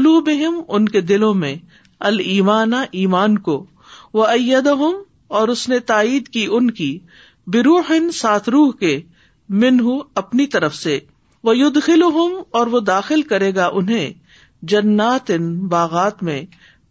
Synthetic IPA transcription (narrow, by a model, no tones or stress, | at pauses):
ʊluːbɪɦɪmʊnked̪ɪlõmẽ | ɐliːmaːnaʔiːmaːnko | ʋɐɐjːɐd̪ɐɦʊm | ɔːɾʊsnet̪aːiːd̪kiʔʊnki | bɪɾuːħɪnsaːt̪ʰɾuːɦke | mɪnɦʊɐpnit̪ɐɾəfse | ʋɐjʊd̪xɪlʊɦʊmɔːɾʋod̪aːxɪlkɐɾeːɡaʔʊnɦẽ | d͡ʒɐnːaːt̪ɪnbaːɣaːt̪mḛ̃